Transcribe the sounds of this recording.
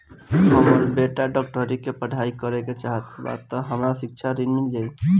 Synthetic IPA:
ɦəməɾbeʈaɖɔk̚ʈəɾikepəɖʱaikəɾeket͡ʃaɦət̪ba̰t̪ːɔɦəmɾasɪk̚t͡ʃʰaɾinmild͡ʒai

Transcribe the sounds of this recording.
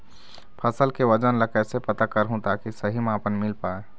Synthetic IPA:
pʰəsəlkeʋəd͡ʒənləkɛsepət̪akəɾɦũt̪akisəɦimeapənmɪlpae

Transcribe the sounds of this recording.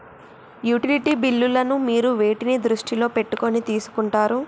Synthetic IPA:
juːʈiliʈiːbilːulɐnumiːɾuʋe̞ːʈinid̪ɾuʂʈilo̞ːpe̞ʈːuko̞nit̪iːsu̥kuɳʈaːɾu

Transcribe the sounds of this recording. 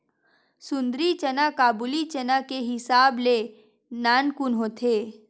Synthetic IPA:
sʊ̃nd̪ɾit͡ʃɐnakaːbulit͡ʃɐnakeɦɪsaːble | naːnkʊnɦoːt̪ʰeː

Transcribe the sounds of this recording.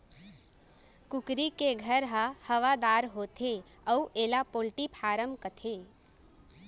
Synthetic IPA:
kʊkɾikeɡʱəɾɦahəʋad̪aːɾɦoːt̪ʰe | əuʔeːlapoːlʈipʰaːɾəmkət̪ʰe

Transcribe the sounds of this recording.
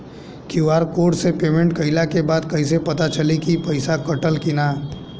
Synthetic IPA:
kiaːɾkoːʈsepeːmẽɳʈ̚kəɪlakebaːd̪kəisepɐt̪at͡ʃəlikipəɪsakəʈəlkinaː

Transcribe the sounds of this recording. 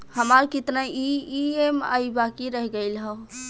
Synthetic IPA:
həmaɾkit̪naiiema̰ibakiɾəɦɡəɪlɦə

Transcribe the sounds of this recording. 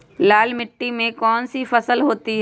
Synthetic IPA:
laːlmɪʈːimẽkɔːnsifɐsəlɦoːt̪iɦ

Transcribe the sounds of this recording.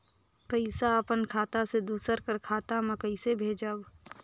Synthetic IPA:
pəɪsaəpənkʰaːt̪ased̪uːsəɾkəɾkʰaːt̪aməkəisebʱeːd͡ʒab

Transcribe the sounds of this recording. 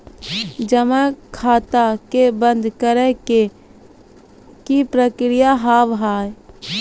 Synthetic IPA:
d͡ʒəmakʰaːt̪akebə̃nd̪ʱkəɾɛke | kipɾəkɾijaɦaːʋɦaːj

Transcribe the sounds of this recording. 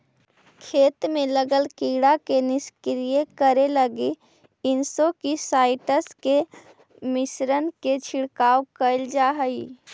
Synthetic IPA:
kʰeːt̪mẽləɡəlkiɽakenɪskɾijekəɾeləɡi | ɪnsokisaːɪʈəske | mɪsɾənket͡ʃʰɪɽkaːwkəɪld͡ʒaːɦəi

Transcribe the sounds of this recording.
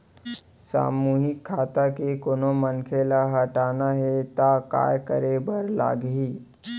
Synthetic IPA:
sa̰ːmuːɦɪkʰːaːt̪akekonomənkʰeːlaɦɐʈaːnaɦɛt̪aka̰ːjkəɾebəɾla̰ːɡɦiː

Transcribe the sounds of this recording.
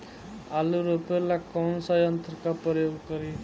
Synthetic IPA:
aluɾopeɾlakʌnsʌjʌnt̪rʌkaprʌjoɡɡʌɾi

